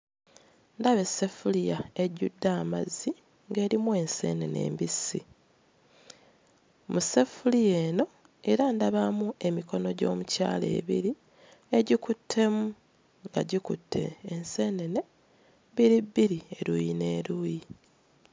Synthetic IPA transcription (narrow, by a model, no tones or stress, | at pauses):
ndaβe̞sefulijae̞ɟudːaːmazːi | ŋɡe̞ːɾimwe̞nse̞̰ːne̞̰ne̞̰ːmbisḭ | muse̞fulijeːno̞ | e̞ɾandaβamuʔe̞miko̞no̞ɟo̞̰ːmuca̰ːle̞̰ːβḭɾi | e̞ɟikutʰːe̞mu | ŋɡa̰ɟikutʰːe̞̰ːnse̞ːnene̞ | biɾibːiɾie̞ɾuːjine̞ːɾuːji